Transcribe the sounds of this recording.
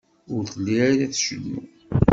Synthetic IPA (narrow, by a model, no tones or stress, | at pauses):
ʊɾθəlːiɾaɾaθʃənːṵ